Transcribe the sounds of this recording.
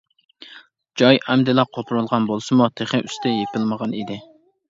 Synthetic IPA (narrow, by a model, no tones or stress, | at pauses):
d͡ʒɑjɛmd̪ɪlɑqʰot̪ʰuɾulˠʁɑnbolˠsɨmut̪ʰeχɪʔyst̪ʰɛjepɪlməʁɑnid̪ɪ